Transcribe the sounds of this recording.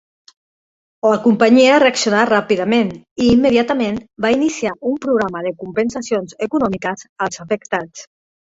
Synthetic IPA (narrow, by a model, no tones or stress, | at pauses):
ləkumpaɲiaəreaksjunarapiðameniːmːeðjat̪amẽnbainisiaʔumpɾuɣɾaməðəkumpənsasionzəkunɔmikəzəlˠzafəkt̪at͡s